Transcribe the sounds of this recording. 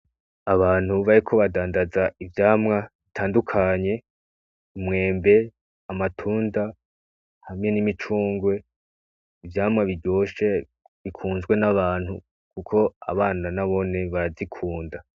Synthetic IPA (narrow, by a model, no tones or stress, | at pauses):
aβaːn̥huβaɾikʰo̞βadaːndazaʔivjaːmŋaβitʰaːndukʰaɲe̞ | imŋe̞ːmbe̞ | amatʰuːnda | hamɲe̞nimit͡ʃuːŋɡwe̞ | ivjaːmŋaβiɾɟo̞ːʃe | βikʰuːnzɡwe̞naβaːn̥hu | kukʰo̞a̰βaːnanaβo̞ne̞βaɾazikʰuːnda